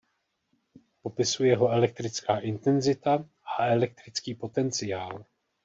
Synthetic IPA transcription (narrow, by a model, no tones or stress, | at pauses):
po̞pɪsujɛɦo̞ɛlɛk̚t̪ɾɪt͡skaːʔɪnt̪ɛnzɪt̪a | ʔaɛlɛk̚t̪ɾɪt͡skiːpo̞t̪ɛnt͡sɪjaːl